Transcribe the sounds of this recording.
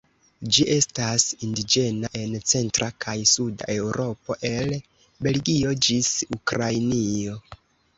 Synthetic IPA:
d͡ʒiʔe̞stasindid͡ʒe̞naʔe̞nt͡se̞ntɾakʰajsuda̰ʔe̞wɾo̞po̞ʔe̞l | be̞lɡio̞d͡ʒisukɾajnio̞

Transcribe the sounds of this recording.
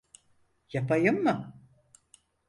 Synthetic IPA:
japʰajɯmːɯ

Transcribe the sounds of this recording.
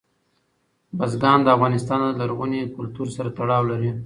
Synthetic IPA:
bazɡɑnd̪əafɣɑnɪst̪ɑnd̪əlaɾɣunekʊlt̪uɾsaɾat̪aɽɑwlaɾi

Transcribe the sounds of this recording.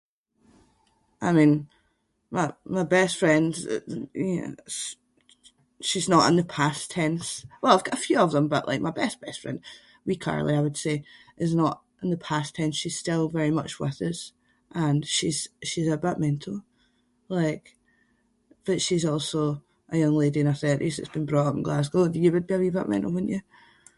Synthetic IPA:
ʔaɪmĩn | maɪmaɪbɛstfɹɛ̃ndə̰ | ʃiznəʔɪ̰̃nðəpʰastʰɛ̃nswɛlˠaɪvɡ̥ɔʔəfjʉəvðə̃mbʌʔˠa̰ɪk̚maɪbɛstb̥ɛstfɹɛ̰̃nd̥ | wikʰa̰ɹl̩ˠiaɪwəd̥se | ʔɪznəʔ | ʔɪ̃nðəpʰastʰɛ̃nsʃiz̥stɪlˠvɛɹimʌ̰t͡ʃwɪ̰ðəz̥ | ʔə̃nʃiz̥ʃizəbəʔmɛ̃nʔ̩ʰˠ | lˠaɪk | b̥ʌʔʃizɔlˠso | ʔəjʌ̃ŋlˠediɨ̃nəθɜ˞ʔizðə̰tsb̥ĩnbɹɔʔʌpn̩ɡlˠas̬ɡ̥olˠdəjəwəd̚biəvibəʔmɛ̰̃nʔl̩ˠwədⁿn̩ʔə

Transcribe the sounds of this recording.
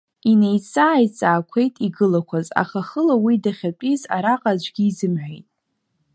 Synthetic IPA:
ine̞jt͡sʰʼaːjt͡sʼaːkʷʰe̞jtʼiɡɨlakʷʰaza̰χaχəlawidaχʲapʷʼiza̰ɾaqʼad͡ʒʷɡʲiːzɨmħᶣʷejtʼ

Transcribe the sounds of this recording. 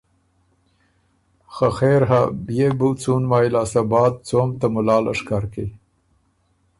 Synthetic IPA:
xaxeɾɦabjebut͡sunmɑːjlɑːsabɑːt̪̚t͡soːmt̪amʊlɑːla̰ʂkaɾke

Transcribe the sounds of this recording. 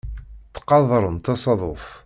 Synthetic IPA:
t̪ːqɑðˤɾˤənt̪ɑsɑðˤof

